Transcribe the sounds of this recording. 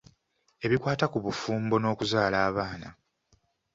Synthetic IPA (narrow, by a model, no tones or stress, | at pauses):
e̞βikwaːtakuβufuːmbo̞no̞ːkuzaːlaːβaːna